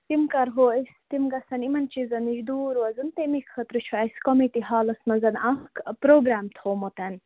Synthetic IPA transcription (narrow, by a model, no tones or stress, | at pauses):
t̪imkɐɾɦoest̪imɡɐsɐnimɐnt͡ʃizɐniʒd̪uːɾwɐzɨnt̪emikʰxɐt̪ɾut͡ʃʰuaskomiʈiɦaːlɐsmɐzɐnahkpɾoːɡɾaːmt̪ʰhomot̪ɐn